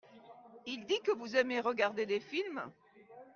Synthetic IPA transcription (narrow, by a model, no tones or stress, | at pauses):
ild̪ikəvuzɛmeʁəɡaʁd̪ed̪efilm